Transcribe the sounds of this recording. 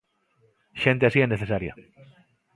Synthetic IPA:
ʃe̞nt̪easieneθe̞saɾja̰

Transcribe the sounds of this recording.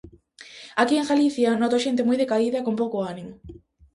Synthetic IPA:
akieŋɡaliθjanot̪oʃent̪̬emujðekaiðɐkompowkoanimʊ

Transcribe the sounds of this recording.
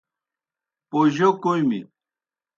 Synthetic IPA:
poʑokojmḭ

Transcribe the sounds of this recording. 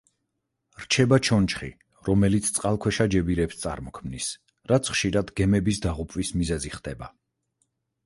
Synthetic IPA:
ɾt͡ʃʰɛbat͡ʃʰɔnt͡ʃʰχḭ | ɾɔmɛlit̪sʰt̪sʼqʼalˠkʰwɛʃad͡ʒɛbiɾɛpst̪sʼa̰ɾmɔkʰmnis | ɾat̪sʰχʃiɾad̪ɡɛmɛbisd̪aʁupʼvismizɛziχd̪ɛba

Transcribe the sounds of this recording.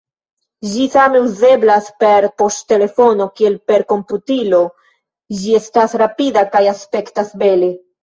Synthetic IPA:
ʒisame̞uze̞blaspe̞ɾpo̞sttːe̞le̞fo̞no̞kie̞lpe̞ɾko̞mputilo̞ | ʒie̞stasɾapidakajaspe̞ktasbe̞le

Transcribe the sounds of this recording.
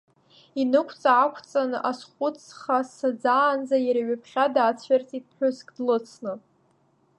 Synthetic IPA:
inɨkʷʰt͡sʼaːkʷʰt͡sʼanasχʷʼʊt͡sʰχasad͡zaːnd͡zajaɾaɥapʰχʲadaːt͡sʷʰert͡sʼitʼħʷᶣʊskʼdlɨt͡sʰnɨ

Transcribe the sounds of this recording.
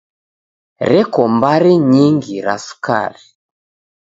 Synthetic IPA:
ɾɛkɔmbaɾɛɲiŋɡiɾasu̥ka̰ɾi

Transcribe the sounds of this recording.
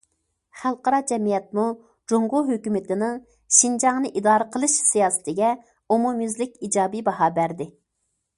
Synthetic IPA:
χælˠqəɾɑd͡ʒɛmijɛt̪̚mu | d͡ʒoŋʁʊɦøkʲymɪt̪ɪnɨŋ | ʃind͡ʒɑŋnɨʔid̪ɑːɾəqʰəlˠɨʃsijɑːsɪ̥t̪ʰɪɡʲɛ | omumjyzlɪkʲid͡ʒɑːbibɑɦɑːbæɾd̪ɪ

